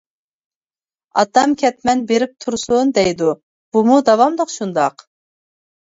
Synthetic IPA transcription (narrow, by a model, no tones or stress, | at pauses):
ɑ̰t̪ɑmkʲʰɛt̪mɛnbeɾɪp̚t̪ʰuɾsund̪ɛjd̪u | b̥umud̪ɑwɑmd̪oqʃund̪ɑq